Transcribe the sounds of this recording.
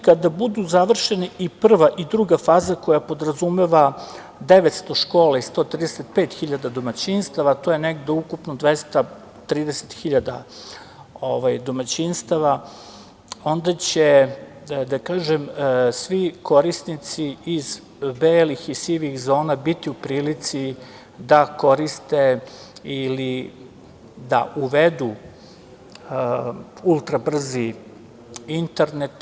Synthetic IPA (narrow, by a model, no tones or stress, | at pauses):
kad̪abud̪uzaʋr̩ʃeniʔipr̩ʋaʔid̪ɾuɡafaːzako̞japo̞d̪ɾazumeʋa | d̪eʋet̪st̪o̞ʃkoːlaist̪o̞ːt̪ɾiːd̪eset̪̚peːt̪xiʎad̪ad̪o̞mat͡ɕinst̪aʋat̪o̞jeneɡd̪eukupnod̪ʋest̪a | t̪ɾiːd̪ese̥t̪xiʎad̪a̰ | o̰ʋajd̪o̞mat͡ɕinst̪aʋa | o̞nd̪at͡ɕe | d̪akaːʒemsʋikʰo̞ɾisnit̪siiz | beːlixisiʋixzo̞ːnabit̪iupɾiːlit̪si | d̪ako̞ɾist̪e̞ili | d̪a̰ʔuʋed̪u | ulˠt̪ɾabr̩zi | int̪eɾnet̪